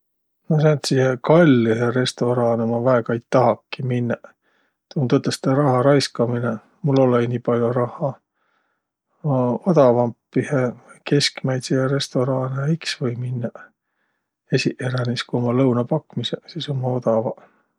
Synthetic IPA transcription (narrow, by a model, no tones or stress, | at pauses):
mɑs̬ɑːnt̪sihekɑlʲːiheɾe̞st̪o̞ɾɑːnomɑvæekɑejt̪ɑɦɑkːiminːɑ | t̪umut̪ot̪ːˑest̪eɾɑhɑɾɑjskɑmine | mulːo̞leiniːpɑlʲjorɑhˑɑ | od̪ɑvɑmpːiheke̞skmæjt̪siheɾe̞st̪o̞ɾɑːneɑiksvɤjminːɑ | esiʔeɾæniskuo̞mɑlɤwnɑpɑkːmisesiːso̞mɑo̞d̪ɑvɑ